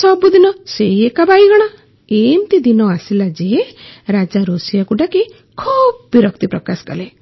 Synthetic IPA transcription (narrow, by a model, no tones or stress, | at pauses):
sɔbud̪inɔseiekabaiɡɔɽ̃a | emt̪id̪inɔasilad͡ʒeɦeɾad͡ʒaɾosijakuɖaki | kʰub̚biɾɔk̚t̪ipɾɔkaskɔle